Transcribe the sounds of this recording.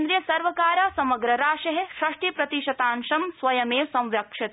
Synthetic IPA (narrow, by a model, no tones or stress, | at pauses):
nd̪ɾjɐsɐɾʋɐkaːɾaːsɐmɐɡɾɐɾaːʃɐɦeʃɾɐʂʈipɾɐt̪iʃɐt̪aːnʃɐmsʋɐjɐmeːsɐ̃wʋjɐkʂɐt̪